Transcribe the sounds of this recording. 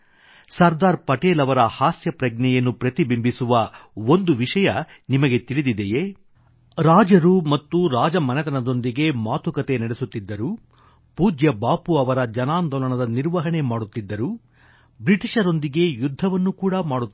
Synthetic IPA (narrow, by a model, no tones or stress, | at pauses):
sɐɾd̪aːɾpɐʈeːlɐʋɐɾɐhaːsjɐpɾɐɡnɛjɐnːupɾɐt̪ibimbisuʋɐond̪uʋiʂɐjɐ | nimɐɡe̞t̪iɭid̪id̪eje | ɾaːd͡ʒɐɾumɐt̪ːuɾaːd͡ʒɐmɐnɛt̪ɐnɐd̪o̞nd̪iɡe̞maːt̪ʰukɐt̪e̞nɐɽesut̪ːid̪ːɐɾu | puːd͡ʒjɐbaːpuɐʋɐɾɐd͡ʒɐnaːnd̪ɔlɐɳɐd̪ɐniɾʋɐɦɐɳe̞maːɽut̪ːid̪ːɐɾu | bɾiʈiʂɐɾo̞nd̪iɡe̞jud̪ʱːɐʋɐnːukuːɽɐmaːɽu